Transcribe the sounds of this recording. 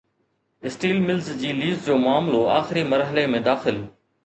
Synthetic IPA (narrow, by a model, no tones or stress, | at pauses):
ɪsʈiːlmɪlzd͡ʑiːliːzd͡ʑoːmʊaːmloa̰ːxɪɾiːməɾɦəlemẽːd̪aːxɪl